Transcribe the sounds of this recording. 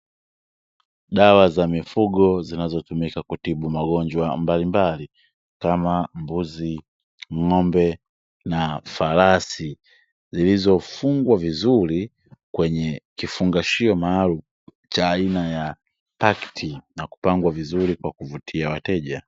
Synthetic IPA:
ɗawazamifuɡɔzinazɔtumikakutiɓumaɡɔɲd͡ʒwambalimbali | kamambuzi | ŋɔmbɛ | nafalasi | zilizɔfuŋɡwavizuli | kwɛɲɛkifuŋɡaʃiɔmaalu | t͡ʃaːinaja | paktʰinaku̥paŋɡwavizuɾikwakuvutʰiawatɛʄa

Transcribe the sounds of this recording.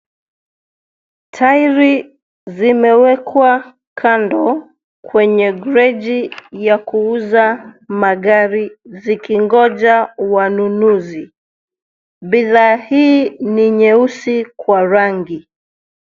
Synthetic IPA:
tʰajɾi | zimɛwɛkwa | kʰandɔ | kwɛɲɛɡɾɛʄijakuuzamaɠaɾizikiŋɡɔʄawanunuzi | biðaːhiːniɲɛusikwaɾaŋɡi

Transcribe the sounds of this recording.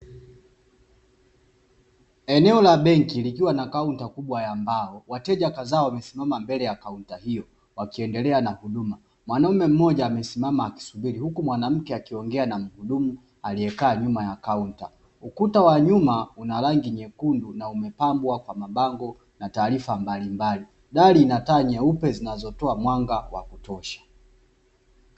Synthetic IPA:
ɛnɛɔlaɓɛŋkilikiwanakauntakuɓwajambaɔwatɛʄakazaɔwamɛsimamambɛlɛjakauntahijɔ | wakiɛndɛlɛanahuɗuma | mwanaumɛm̩mɔʄaːmɛsimamaːki̥suɓiɾihukumwanam̩kɛakiɔŋɡɛanam̩huɗumu | aliɛkaːɲumajakaunta̰ | ukutawaɲumaunalaŋɡiɲɛkundunaumɛpambwakwamaɓaŋɡɔ | nataːɾifambalimbali | ɗaliːnataːɲɛupɛzinazɔtɔamwaŋɡawa̰kutɔʃḁ

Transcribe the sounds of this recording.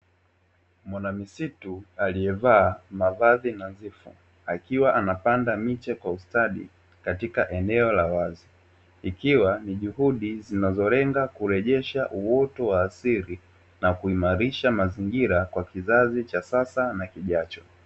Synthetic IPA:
mwanamisitualiɛvaːmavaðinazifṵ | akiwaʔanapandamit͡ʃɛkwaustaɗḭ | katikaʔɛnɛɔlawazi | ikiwaniʄuhuɗizinazɔɾɛŋɡakuɾɛʄɛʃaʔuwɔtɔwaːsiɾi | nakuimaɾiʃamaziŋɡiɾakwakizazit͡ʃasasanakiʄat͡ʃɔ̥

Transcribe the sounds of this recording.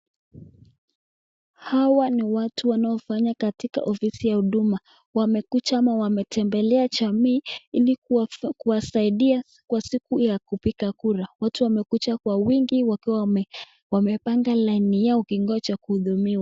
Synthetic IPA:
hawaniwatuwanaɔfaɲakatika̰ʔɔfisijahuɗuma | wamɛkut͡ʃamawamɛtɛmbɛlɛaʄamiːilikuwasaiɗia | kwasikujakupikakuɾawatuwamɛkut͡ʃakwawiŋɡiwakiwa | wamɛpaŋɡalainijaɔkiŋɡɔt͡ʃakuhuðumiwa

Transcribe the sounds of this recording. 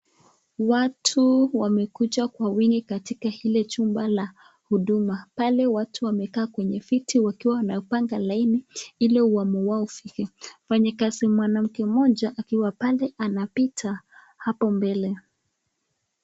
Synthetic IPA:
watʰuwamɛkut͡ʃakwawiŋɡikatikahilɛt͡ʃumbala | huɗumapalɛwatʰuwamɛkaːkwɛɲɛfitʰiwakiwawanajɔpaŋɡalainiilɛuamɔwaufikɛfaɲakazimwanam̩kɛmɔʄaʔakiwapalɛʔanapitʰa | hapɔmbɛlɛ

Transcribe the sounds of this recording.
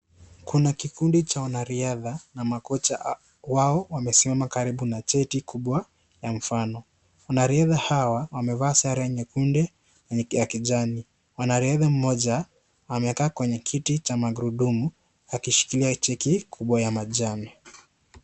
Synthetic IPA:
kunakikundit͡ʃawanaɾiaðanamakɔt͡ʃa | waɔwamɛsimamakaɾiɓunat͡ʃɛtikuɓwa | jam̩fanɔ | wanaɾiaðahawawamɛvaːsaɾajɛɲɛkundɛ | wɛjakiʄani | wanaɾiaðam̩mɔʄa | wamɛkaːkwɛɲɛkʰitit͡ʃamaɡuɾuɗumu | akiʃi̥kiliat͡ʃɛkikʰuɓwajamaʄanɛ

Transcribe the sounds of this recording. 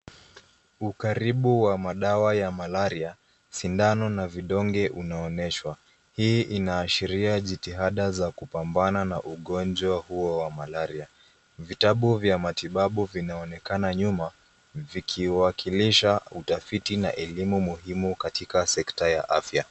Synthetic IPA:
ukaɾiɓuwamaɗawajamalaɾia | sindanɔnaviɗɔŋɡɛʔunaɔnɛʃwa | hiːʔinaːʃiɾiaʄitiɦaɗazakupambananaʔuɠɔnd͡ʒwahuɔwamalaɾia | vitaɓuvjamatiɓaɓuvinaɔnɛkanaɲuma | vikʰiwakʰiliʃautafitina̰ʔɛlimumuɦimukatʰikasɛktaja̰ʔafja

